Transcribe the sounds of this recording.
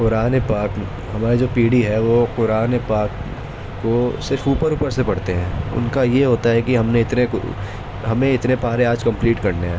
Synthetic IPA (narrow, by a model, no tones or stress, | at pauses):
qʊɾaːnepaːk | ɦɐmaːɾid͡ʒoːpiːɽiɦɛʋoqʊɾaːnepaːkː | osɪɾfuːpəɾuːpəɾsepɐɽ̤t̪eɦɛ̃ːʊ̰nkajeɦoːt̪aɦɛkiɦɐmneɪt̪ne | ɦɐmẽɪt̪nepaːɾeaːd͡ʒkɐ̃mpliːʈkɐɾneɦã